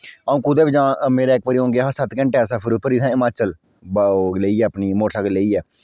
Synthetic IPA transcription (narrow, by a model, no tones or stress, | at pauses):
aũːkud̪eːʋid͡ʒãːmeːɾaːɪk̚ʋaːɾiːõːŋɡeːɦãːsət̪kə̃ɳʈeɛsaːpʰɪɾupəɾiːt̪ʰãːɪmaːt͡ʃəl | bleːiːɛːəpniːmoːsaːɡəleːiːɛː